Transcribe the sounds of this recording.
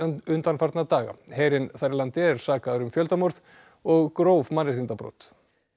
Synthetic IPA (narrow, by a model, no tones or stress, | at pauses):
ʏnt̪anfaɾt̪nat̪aːɣa̰heːjɾɪnθajɾlant̪ɪɛɾ̥saːkaðʏɾʏmfjœlt̪amɔɾð | ɔɣkɾoːwvmanːɪɾ̥θint̪apɾɔ̰wt̪